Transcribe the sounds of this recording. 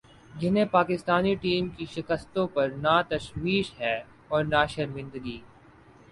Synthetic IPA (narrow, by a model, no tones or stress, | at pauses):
d͡ʒɪnɦẽpaːkɪst̪aːniʈiːmkiʃɪkəst̪õpɐɾnaːt̪ɐʃwiːʃɦɛː | ɔːɾnaːʃɐɾmɪ̃nd̪əɡiː